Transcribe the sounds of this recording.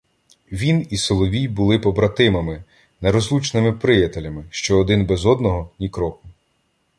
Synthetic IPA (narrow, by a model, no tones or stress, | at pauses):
ʋʲinisɔlˠɔʋʲijbʊlˠɪpɔbɾɐt̪ɪmɐmɪ | nɛɾɔzlˠut͡ʃnɪmɪpɾɪjɐt̪elʲɐmɪʃt͡ʃɔːd̪ɪnbɛzɔd̪nɔɦɔnʲikɾɔkʊ